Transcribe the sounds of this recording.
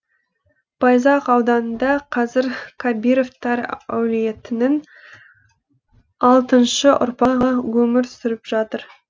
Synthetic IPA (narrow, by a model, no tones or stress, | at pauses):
b̥ɑjzɑqɑwd̪ɑnənd̪ɑqʰɑzɪɾkʰabiɾoft̪ʰɑɾæ̰wlije̞t̪ɪnɪŋ | ɑlˠt̪ənʃəʔʊ̰ɾpɑʁəwɵmɪɾsɪɾɪpʒ̥ɑt̪əɾ